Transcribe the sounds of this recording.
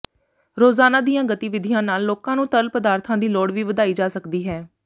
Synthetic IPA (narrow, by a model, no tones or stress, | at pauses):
ɾoːzaːnaːd̪ijãːɡət̪iːʋɪd̪ʱɪjãːnaːlːoːkãːnũːt̪əlpəd̪aːɾt̪ʰãːd̪iːlɔːɽʋiːʋəd̪aːiːd͡ʒaːsəkd̪iːɦɛː